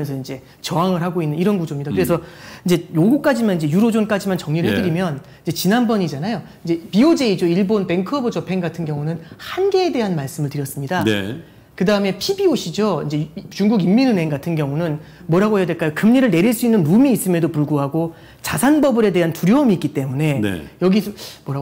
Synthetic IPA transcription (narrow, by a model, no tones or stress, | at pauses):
ʌnsʰʌind͡ʑe̞ | t͡ɕʌaŋɯɭɦaɡoinːɯniɾʌnɡud͡ʑomɲidakɯɾe̞sʰʌind͡ʑe̞joɡuk͈ad͡ʑimanind͡ʑe̞juɾod͡ʑonk͈ad͡ʑimant͡ɕʌŋɲiɾɯɭhɦedɯɾimjʌn | ind͡ʑe̞t͡ɕinanbʌɲid͡ʑanajo | ind͡ʑe̞piod͡ʑe̞id͡ʑoiɭbonpe̞ŋkʰʌbɯd͡ʑʌpʰe̞ŋɡatʰɯnɡjʌŋunɯnhanɡe̞ːde̞ɦanmaɭs͈ɯmɯɭtɯɾjʌs͈ɯmɲida̰ | kɯdaɯme̞pʰibioɕʰid͡ʑoind͡ʑe̞t͡ɕuŋɡuɡimːinɯne̞ŋɡatʰɯnɡjʌŋunɯn | mwʌɾɦaɡoɦeʌde̞ɭk͈ajokɯmɲiɾɯɭne̞ɾiɭs͈uinːɯnːumiːs͈ɯmjʌdopuɭɡoɦaɡo | t͡ɕasʰanbʌbɯɾe̞de̞ɦantuɾjoʌmiːk͈it͈e̞mune̞n̰jʌɡisʰmwʌɾa